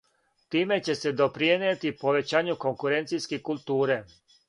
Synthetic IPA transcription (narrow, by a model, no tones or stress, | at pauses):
t̪iːme̞t͡ɕe̞se̞d̪o̞pɾienet̪ipo̞ʋet͡ɕaːɲuko̞ŋkuɾent̪sijskekult̪uːɾe